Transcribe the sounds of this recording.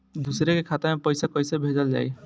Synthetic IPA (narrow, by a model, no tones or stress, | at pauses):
d̪usɾekekʰat̪amepəjsakɔjsebʱed͡ʒəld͡ʒa̰j